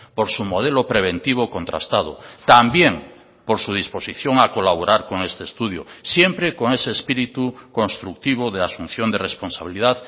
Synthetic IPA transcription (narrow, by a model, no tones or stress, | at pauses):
poɾsumoð̞elopɾeβ̞ent̪iβokont̪ɾa̰st̪aðo̰t̪ambjeŋ | poɾsuð̞ispo̞siθjoŋakolaβ̞oɾʔaɾko̞ŋest̪eest̪uð̞jo̰sjempɾekoŋeseːspiɾit̪uko̞nst̪ɾuk̚t̪iβ̞oðeasun̟θjond̪erespo̞nsaβilið̞að